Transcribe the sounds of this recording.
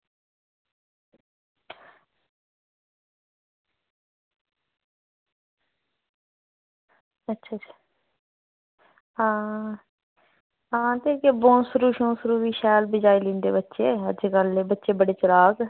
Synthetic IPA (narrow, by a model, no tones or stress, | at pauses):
ətːʃʰaːt͡ʃː | ãː | ɦãːt̪eːkeːboːnsəɾuːʃõːsəɾuːʋiːʃɛːlbɪd͡ʒaːilɪ̃ːnd̪ḛːbətːʃeːəd͡ʒɡəlːeːbətːʃeːbəɽeːt͡ʃəɾaːɡ